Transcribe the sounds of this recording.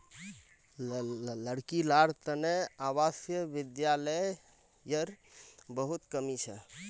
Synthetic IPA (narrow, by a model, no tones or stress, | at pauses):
ləɽkilaɽt̪əneaβasjəbid̪jalə | jəɾ | bəɦut̪kəmit͡ʃʰɛ̰